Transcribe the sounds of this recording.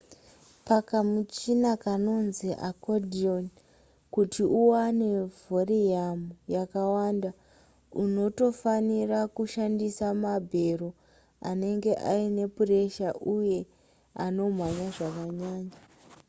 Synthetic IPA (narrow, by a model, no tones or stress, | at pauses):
pakamut͡ʃinakano̞nziʔa̰kodion | kutiʔuwane̞voriamujakawanda | uno̞to̞fanirakuʃandisamabʱe̞ro | a̰ne̞ŋɡe̞ʔaine̞pure̞ʃaʔuje̞ | ano̞mwaɲaʐakaɲaːɲa